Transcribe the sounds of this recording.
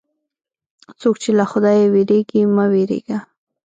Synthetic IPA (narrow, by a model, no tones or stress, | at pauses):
t͡sokt͡ʃelaxʊd̪ɑjeweɾeɡimaweɾḛɡ̥a